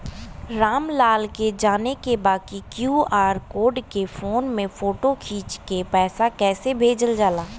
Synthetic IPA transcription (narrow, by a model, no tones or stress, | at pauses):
ɾaːmlaːlked͡ʒaːnekebaːkikjuːaːɾkoːɖkefʰoːnmẽfoːʈokʰiːt͡ʃkepɛːsakɛːsebʱeːd͡ʒəld͡ʒaːlaː